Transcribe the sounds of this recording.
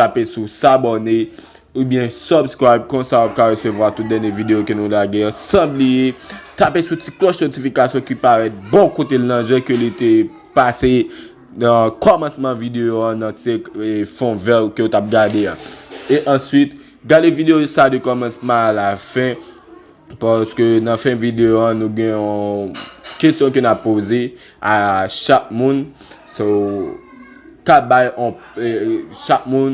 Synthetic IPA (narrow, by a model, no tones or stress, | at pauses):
tapesusabone | ubjɛ̃sɔbskɹajb̚kɔ̃sawap̚kaʁesøvwat̪ut̪̚d̪ɛnjevideokønũlaɡeãsɐ̃blijet̪apesuti̥klɔʃsɛtifikasjɔ̃kipaʁɛt̪̚bɔ̃kot̪elnãʒɛ̃kølit̪e | pase | nʌ̃kɔmãsmɑ̃vid̪eoãnãtekfɔ̃vɛbkøjot̪ap̚ɡadeaeʔɑ̃sɥit̪ | ɡadevideosadøkɔmɑ̃smɑ̃alafɛ̃ | paskønɐ̃fɛ̃vid̪eoãnũɡɛ̃ɔ̃ | kestjɔ̃k̬ønapːoze | aʃak̚mũnso | kabajɔ̃ | ʃak̚mũn